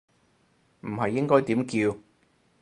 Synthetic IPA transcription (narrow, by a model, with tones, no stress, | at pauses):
m̩˨˩ɦɐ˨jːɪ˥ŋkɔː˥jt̪iː˨˥mkiː˧w